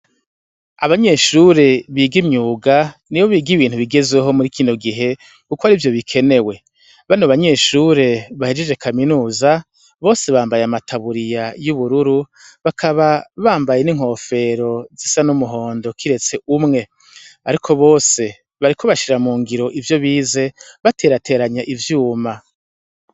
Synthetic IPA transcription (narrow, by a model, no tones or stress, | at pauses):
aβaɲe̞ːʃuɾe̞βiːɡimɲuːɡanijo̞βiːɡiβiːn̥huβiɡe̞zwe̞ɦo̞muɾikiːno̞ɡiɦe̞ | kukoaɾivjo̞βikʰe̞ne̞we̞ | βanoβaɲe̞ːʃuɾe̞βahed͡ʒed͡ʒe̞kʰaminuːza | βo̞ːse̞βaːmbajeamatʰaβuɾijajuβuɾuɾu | βakʰaβaβaːmbajeniŋ̥ho̞ːfe̞ɾo̞zisanumuɦo̞ːndo̞kʰiɾe̞t͡se̞ʔumŋe̞ | aɾikʰo̞βo̞ːse̞ | βaɾikʰo̞βaʃiɾamuːŋɡiɾo̞ʔivjo̞βiːze̞βate̞ːɾatʰe̞ːɾaɲaʔivjuːma